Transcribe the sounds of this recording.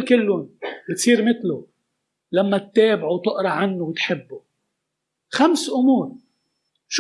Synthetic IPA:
kɪlːʊnbɪt̪sˤiːɾmɪt̪lʊ | lamːat̪ːeːbʕuwt̪ʊʔɾˤɑʕanːʊwt̪ħɪbːʊ | xamsʔʊmuːɾ | ʃ

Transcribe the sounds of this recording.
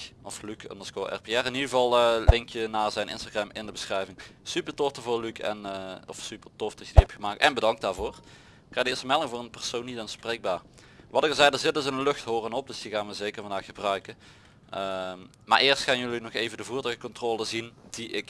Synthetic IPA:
ɔflykə̰ndəskoʔɛ̰rpeɛrɪnidɣəvɑlˠlɪŋkjənaːɹzɛjnʔɪ̰nstaɣrɛmɪndəbəsxrɛjvɪŋsypətɔftəvʊːɹlykʰɛ̰nːɔfsypəɹtɔfdɑtjədiɦɛptxəmaːk̚tɛnbədɑŋk̚daːɹvoːr | kːaːdəɪːstəmɛlˠɪŋvʊːrənpɛrsownitanspreːɡ̚baːɹ | ʋɑtəkəlzɛjdəɹzɪt̚əzənənlɵxtɦoːrənɔp̚dɵsdiɣaːnʋəzejkəɹvɑndaːxxəbrœɥkə | ə | ma̰ːɹʔɪːrstxaːnjɵlinɔxejvəndəvuːɹtœəkɔntroːlˠəzind̥iʔɪk

